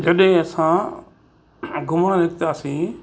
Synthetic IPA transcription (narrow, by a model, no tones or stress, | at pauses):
d͡ʑɐɗɦɪ̃ɐsã | ɡʱʊmɽ̃ãlɪɡt̪aːsĩː